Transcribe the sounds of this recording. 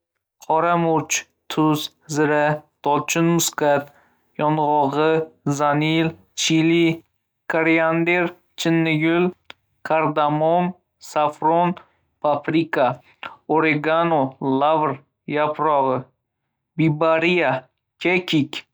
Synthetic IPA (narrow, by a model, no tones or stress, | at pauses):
qʰɒɾamʊɾt͡ʃ | t̪ʰʊz | zɪɾad̪̥ɒlt͡ʃʰʊnmʊskat̪ | jɒnʁɒʁɨzanil | t͡ʃʰili | kʰaɾiand̪eɾ | t͡ʃʰɪnːɪɡʲʊl | kʰaɾd̪amon | safɾon | pʰafɾika | oɾeɡanolˠavɾ | japɾɒʁɨ | bibaɾija | kʲʰekʲikʲ